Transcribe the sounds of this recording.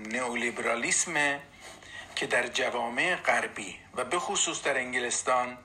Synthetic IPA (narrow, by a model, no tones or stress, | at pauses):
neolibeɾɒːlisme | cʰed̪æɾd͡ʒævɒːme̞eɣæɾbiːvæbe̞xusuːsd̪æɾeŋɡelest̪ɒːn